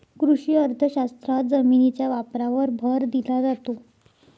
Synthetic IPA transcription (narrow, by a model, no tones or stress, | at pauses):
kɾuɕiəɾt̪ʰəɕast̪ɾat̪d͡zəminit͡ɕjaʋapɾaʋəɾbʱəɾd̪ilad͡zat̪o